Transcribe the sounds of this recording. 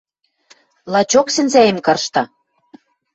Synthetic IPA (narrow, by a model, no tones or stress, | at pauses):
lˠɑt͡ɕoksɘ̆nzæjĕmkɤ̆rʃt̪ɑ̆